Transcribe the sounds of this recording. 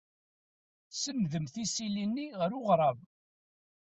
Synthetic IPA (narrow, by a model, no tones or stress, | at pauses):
səmðəmθisilinːiʁəɾʊʁɾˤɑv